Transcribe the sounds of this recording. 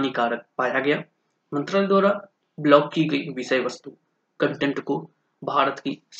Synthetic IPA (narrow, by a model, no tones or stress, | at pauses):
nikaːpaːjaɡɐjaː | mɐ̃nt̪ɾaːled̪ʋaːɾa | blɔːkːiɡɐiʋɪsɐjʋɐst̪u | kɐ̃ɳʈẽɳʈko | bʱaːɾət̪kis